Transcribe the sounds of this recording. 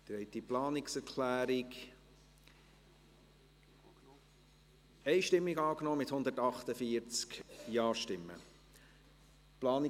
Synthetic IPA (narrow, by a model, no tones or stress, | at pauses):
d̥̪ɾɛɪt̪iplɑːnɪksɛɾkʰlæːɾɪk | ɛɪʃtɪmːiɡɑːknɔːmɪt̪hʊnd̪ətɑχt̪əfiəɾt͡skjɑːʃtɪmːə̰ | plɑːnɪ